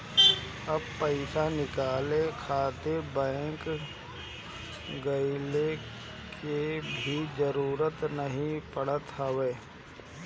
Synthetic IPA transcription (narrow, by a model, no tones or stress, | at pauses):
ɐb̚pəɪsanɪkaːlekʰaːt̪ebɛ̃ːŋk | ɡəɪle | kebʱid͡ʒəɾuːɾət̪nəɦĩpəɽ̤ət̪ɦəʋeː